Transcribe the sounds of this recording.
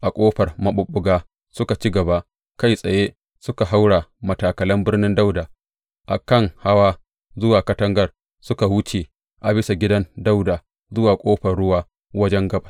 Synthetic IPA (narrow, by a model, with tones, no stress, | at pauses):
ʔa˨kʷʼoː˦ɸɐ˨rmɐ˦ɓʊ˨ɓːʊ˨ɡaː˦ | sʊ˦ka˨t͡ʃi˦ɡɐ˨ba˦ʔ | ka˦jsʼɐ˨je˦ | sʊ˦ka˨ɦa˦wɽa˨mɐ˨taː˨kɐ˨lɐ˦mbɪ˦rnɪ˦nda˦wdaː˨ | ʔa̰˨kɐ˦˨ŋha˦waː˦ | zʊ˦waː˨kɐ˦tɐ˦ŋɡɐ˦˨r | sʊ˦ka˨wʊ˦t͡ʃeː˨ | ʔa˨bɪ˦sa˨ɡʲɪ˦dɐ˦nda˦wdaː˨ | zʊ˦waː˨kʷʼoː˦ɸɐ˨rɽʊ˦waː˦ | wɐ˦d͡ʒɛ˦ŋɡɐ˦ba˨˦